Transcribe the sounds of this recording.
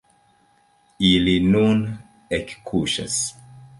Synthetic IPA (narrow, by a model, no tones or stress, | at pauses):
ilinun | ekkʰuʃa̰s